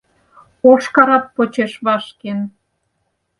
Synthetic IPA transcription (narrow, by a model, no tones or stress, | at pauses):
oʃkɑɾɑpːot͡ɕeʃβɑʃken